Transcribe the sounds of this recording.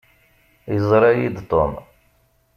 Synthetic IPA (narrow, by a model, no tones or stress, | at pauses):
jəzˤɾˤɑjid̪t̪ˤom